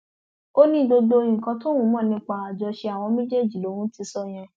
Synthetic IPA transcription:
o˦nĩ˦do˧do˧ĩ˨kã˧to˦wũ˨˦mɔ̃ː˦˨nĩ˧˦k͡pa˧a˨d͡ʒɔ˧ʃe˧a˨w̃ɔ̃˧mẽ˦d͡ʒe˦˨d͡ʒi˨lo˨˦wũ˦ti˧sɔ˦˨j̃ã˧

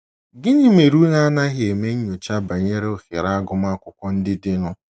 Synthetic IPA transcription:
ɡɪ˦ɲi˦me˨ɾu˦ŋa˦na˦ɦɪ˨e˨me˦ɲ̩˦ɲo˨t͡ʃa˦ba˨ɲe˦ɾe˦o˦xɪ˨ɾa˦a˦ɡʊ˦m˦a˦kʷʊ˦kʷɔ˦n̩˦dɪ˦dɪ˦nʊ˦

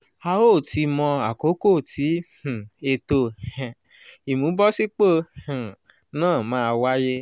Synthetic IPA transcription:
a˧o˦˨ti˧mɔ̃˧a˨ko˨˦ko˦˨tʰi˨˦h̩˨e˧to˧ɛ̃˨ | i˨mũ˨˦bɔ˦si˦k͡po˦˨h̩˨ | nãː˦˨mãː˦˧wa˦je˦

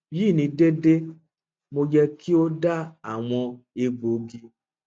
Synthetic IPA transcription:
ji˦˨nĩ˨˧˦de˦de˦ | mo˧jɛ˧ki˦o˦da˦a˦˨w̃ɔ̃˧e˧ɡ͡bo˨ɡi˧

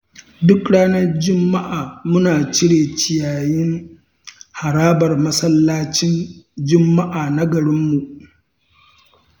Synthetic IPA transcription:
dʊ˦kɽaː˦nɐ˦rd͡ʒɪ˦mːa˦ʔaː˨mʊ˦naː˨t͡ʃɪ˦ɽeː˨t͡ʃɪ˨jaː˨jɪ˦ŋ | ha˨ɾaː˦bɐ˨rmɐ˦sɐ˦lːaː˦t͡ʃɪ˦nd͡ʒʊ˦mːa˦ʔaː˨nɐ˦ɡɐ˨ɽɪ˦mːu˨ʔ

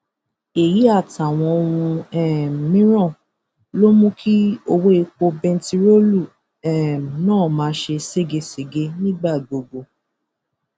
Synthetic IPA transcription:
e˨ji˨˦a˦˨ta˨w̃ɔ̃˧o˧ɾ̃ũ˧ɛ˦˨mĩ˦ɾ̃ɔ̃˦˨ | lo˦mũ˦kʰi˦o˧wo˦e˧k͡po˧bɛ̃˧n˦ti˧ɾo˦lu˦˨ | ɛ˦˨m˨nãː˦˨mãː˨˦ʃe˧se˦˨ɡe˧se˨ɡe˧˦nĩ˦ɡ͡ba˦˨ɡ͡bo˨ɡ͡bo˨

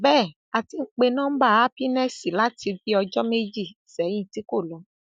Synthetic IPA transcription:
bɛː˦˨ | a˨ti˧ŋ̩˦˧k͡pe˧nãː˦ba˦a˦pi˦nɛ˦si˨la˦ti˧vi˦ɔ˧d͡ʒɔ˦me˦d͡ʒi˦˨sɛ˨˦jĩ˦˨ti˦ko˦˨lɔ˨˦

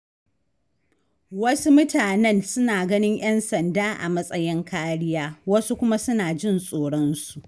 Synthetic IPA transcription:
wɐ˦su˦mʊ˦tʰaː˨nɛ˦nsʊ˦naː˨ɡɐ˦nɪ˦ɲj̰ɛ˦nsɐ˨ndaː˦ʔa̰˨mɐ˦sʼɐ˦jɪ˦ŋkaː˦ɽɪ˦jaː˦wɐ˦su˦kʷʊ˦ma˦sʊ˦naː˨d͡ʒɪ˦nsʼoː˨ɽɔ˦nsu̥˨ʔ

